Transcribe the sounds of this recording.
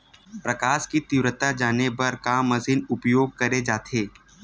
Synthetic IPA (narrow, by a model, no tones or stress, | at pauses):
pɾɐkaːʃkit̪ɪʋɾət̪ad͡ʒaːnebɐɾkaːmɐzɪnʊpjoːɡ̚kɐɾed͡ʒaːt̪ʰeː